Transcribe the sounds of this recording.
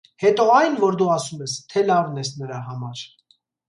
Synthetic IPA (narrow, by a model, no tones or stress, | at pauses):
hɛt̪ɔɑjnvɔɾd̪uɑsumɛst̪ʰɛlɑvnɛsnəɾɑɦɑmɑɾ